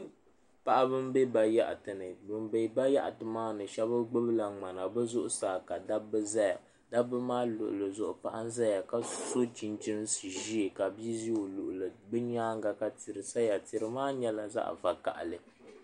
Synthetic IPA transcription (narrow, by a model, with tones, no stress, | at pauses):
pa˦ʔa˦bɨ˦mbe˦ba˨ja̰˦˨ʔtɨ˨nɨ˨bɨ˨mbe˦ba˦ja˦ʔa˨tɨ˨maː˦nɨ˨ʃɛ˦bɨ˦ɡ͡bʊ˦bɨ˦la˨ŋ͡ma˨na˨bɨ˦zʊ˦ʔʊ˦saː˨ka˨da˦bɨ˦za˦ja̰˨ | da˦bɨ˦maː˦lʊ̰˨ʔʊ̰˨lɨ˨zʊ˦˨ʔʊ˦˨pa˦ʔa˦nza˦ja˨ka˦so˦t͡ʃi˦nt͡ʃi˦n˦sɨ˨ʒi˦˨ka˨bi˦zi˦o˨lʊ˨ʔʊ˨lɨ˨bɨ˦ɲaː˦ŋ˦ɡa˨ka˦ti˨ɾɨ˨sa˦ja˨ti˨ɾɨ˨maː˦ɲɛ˦la˨za̰˦ʔva˨ka̰˨ʔa̰˨lɨ˨